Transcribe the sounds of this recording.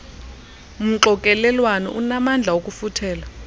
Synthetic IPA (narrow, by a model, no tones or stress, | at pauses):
m̩ǁɔkʼɛlɛlwanɔ̰ʔunamand͡ɮʱaokʼufutʰɛːla